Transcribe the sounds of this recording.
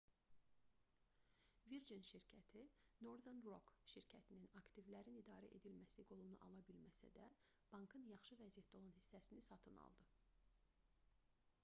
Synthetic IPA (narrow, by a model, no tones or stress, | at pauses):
viɾd͡ʒinʃiɾcʰæt̪ʰino̞ɾd̪enro̞kʃiɾcʰæt̪ʰininɑkt̪ivlæɾinid̪ɑːɾæʔe̞d̪ilmæsiɡo̞lˠunuʔɑ̰lˠɑbilmæsæ̰d̪æ | b̥ɑŋkʰɯnjɑχʃɯvæzijæt̪̚d̪o̞lˠɑnhisːæsinisɑt̪ʰɯnɑ̰lˠd̪ɯ